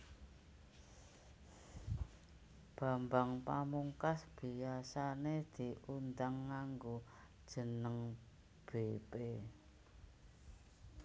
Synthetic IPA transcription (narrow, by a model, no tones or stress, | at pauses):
b̥a̤mbaŋpamuŋkasb̥i̤asaned̪̥i̤und̪aŋːaŋɡod̥ʒ̥ə̤nəŋ | b̥ebe